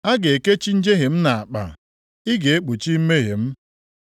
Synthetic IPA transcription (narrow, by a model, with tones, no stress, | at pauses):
a˦ɡe˨e˨ke˦t͡ʃi˦n̩˦d͡ʒe˦ɦe˨m̩˦na˨a˨k͡pa̰˨ | i˦ɡe˨e˦k͡pu˨t͡ʃi˦me˦ɦḛ˨m̩˦